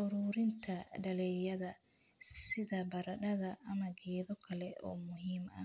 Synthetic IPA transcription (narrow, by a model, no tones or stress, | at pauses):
ʊɾuːɾɪnt̪ʰɐɖɐlɛjɐðɐ | sɪðɐbɐɾɐɗɐðɐʔːmɐɡɛːðɔkʰɐlɛʔɔ̰ːmʊɦiːmɐ̰